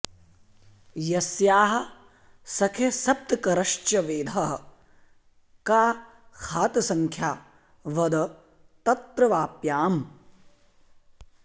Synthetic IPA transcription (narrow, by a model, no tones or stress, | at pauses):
jɐsjaːɦɐ̆ | sɐkʰesɐp̚t̪ɐkɐɾɐʃt͡ʃɐʋeːd̪ʱɐɦɐ | kaː | kʰaːt̪ɐsɐŋkʰjaː | ʋɐd̪ɐ | t̪ɐt̪ɾɐʋaːpjaːm